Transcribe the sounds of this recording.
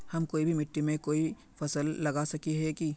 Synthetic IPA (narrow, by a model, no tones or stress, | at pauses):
hɐmkoːibʱimɪʈːimẽkoːi | fɐsəlːɐɡasɐkiɦɛki